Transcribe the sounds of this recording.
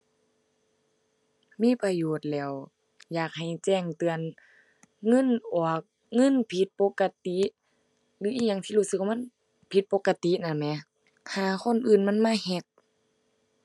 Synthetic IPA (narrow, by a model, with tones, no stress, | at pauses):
miː˧˥˨pa˧joː˨˩t̪̚lɛː˧˩˨w | jaː˨˩k̚ha˨˩jt͡ɕɛː˧˩ŋt̪ɯ˨˧ən | ŋɤ˧˥˨nʔɔː˨˩ək̚ | ŋɤ˧˥˨npʰi˧˦t̪̚po˧˦kːa˧t̪i˧˦ʔ | lɯː˧˦ʔiː˧˨ɲaː˧˩ŋt̪ʰiː˧˨uː˧˥˨sɯ˧k̚wa˧m˧˥˨ | pʰi˧˦t̪̚po˧˦kːa˧t̪i˧˦˨na˧˩mɛ˧˦ | haː˨˩kʰo˧˥˨nʔɯː˨˩nma˧˥˨nmaː˧˥˨hɛ˧k̚